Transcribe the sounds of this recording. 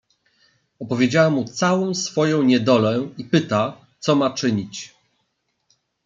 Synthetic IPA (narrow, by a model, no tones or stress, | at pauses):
ɔpɔvʲjed͡ʑawamːut̪sawɔ̃w̃sfɔjɔ̃w̃ɲɛd̪ɔlɛipɘt̪a | t̪sɔmat͡ʂɘɲit͡ɕ